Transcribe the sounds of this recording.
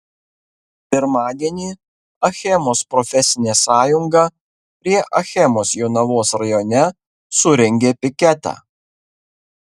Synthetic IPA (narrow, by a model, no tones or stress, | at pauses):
pʲɪɾmɑːd̪ʲiɛnʲiː | ɐxʲɛmoːspɾɔfʲɛsʲɪnʲeːsɑːjʊŋɡɑ | pʲɾʲiɛʔɐxʲɛmoːsjoʊnɐʋoːsɾɐjɔːnʲɛ | sʊɾʲɛŋʲɡʲeːpʲɪkʲɛt̪ɑ̰ː